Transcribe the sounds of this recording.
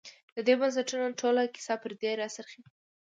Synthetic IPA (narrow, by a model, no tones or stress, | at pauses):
d̪̥əd̪ebans̬aʈunaʈʰolakɪ̥sɑpəɾd̪eɾɑsaɾxi